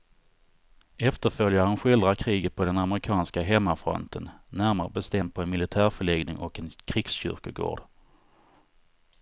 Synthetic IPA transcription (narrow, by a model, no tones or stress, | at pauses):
ɛft̪əɾfœljaɾənɧɪld̪ɾakʰɾiːɡət̪̚pʰɔd̪ɛnaməɾɪkʰɑːnskaɦɛmːafɾɔ̰nt̪ʰənːæɾmaɾəbɛst̪ɛmd̪̚pʰɔɛnmɪlɪt̪ʰæːɾfœɭɛɡnɪŋʔɔkɛnkʰɾiːɡ̥sɕʏ̰ɾkəɡo̰ːɖ